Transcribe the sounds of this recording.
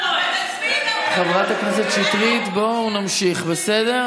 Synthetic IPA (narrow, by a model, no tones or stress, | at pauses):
χavʁat̪aknese̞t̪ʃitʁit̪bo̞unamʃiχbesede̞